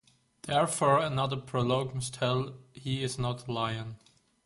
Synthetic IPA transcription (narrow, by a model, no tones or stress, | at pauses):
ðɛɹfɔɹɨnʌðə˞pʰɹ̥olɔɡmʌstʰɛlˠhiɪznətʰlaɪə̃n